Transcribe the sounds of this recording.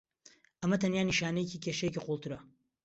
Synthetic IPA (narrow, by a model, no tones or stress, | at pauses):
ʔɐmɐt̪ʰɐnjaːniʃaːnɐjeciːcʰeʃɐjeciqulˠt̪ɨɾɐ